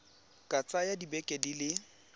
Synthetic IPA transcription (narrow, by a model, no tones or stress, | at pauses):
kʼat͡sʼajadibɛkʼedilɪ